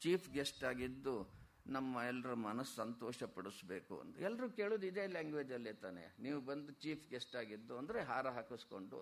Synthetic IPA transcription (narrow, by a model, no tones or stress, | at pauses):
t͡ʃiːpʰɡesʈaːɡid̪ːu | nɐmːɐɛlːɐɾɐmɐnɐsːɐnt̪ɔːʃɐpɐɽusbeːkṵɐ̰nt̪ɐɛlːɐɾuke̞ːɭuːd̪id̪e̞ːlaːŋɡʋeːd͡ʒɐlːet̪aːnḛniːʋubɐnd̪ut͡ʃiːpʰɡesʈaːɡid̪ːuɐnd̪ɐɾeɦaːɾɐɦaːkusko̞̰ɳɖṵ